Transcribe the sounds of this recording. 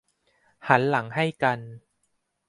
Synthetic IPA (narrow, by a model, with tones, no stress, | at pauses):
ha˦˥nla˩˦ŋha˥˩jka˧n